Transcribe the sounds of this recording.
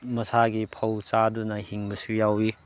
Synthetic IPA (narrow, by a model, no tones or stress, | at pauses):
mɐsaɡipʰɐwt͡ʃadunɐhiŋbɐsijawi